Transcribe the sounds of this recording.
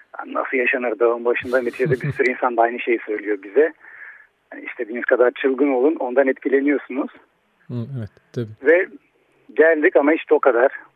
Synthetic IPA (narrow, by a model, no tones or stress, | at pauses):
ha̰nna̰sɯlˠjaʃanɯɾd̪avambaʃɯnd̪anit̪ʰiʒd̪ɛbisyɾinsand̪aajnɯʃe̞jisø̞jlʲijobizɛ | haniist̪ʰed̪iːnizkʰad̪aɾt͡ʃʰɯlˠɡɯnolˠuno̞nd̪anɛt̪cʰilʲe̞nijo̞sunuz̥ | ɛvɛt̪ʰ | bivɛ | ɟælʲd̪icamahit͡ʃt̪ʰɛo̞kʰad̪aɾ̥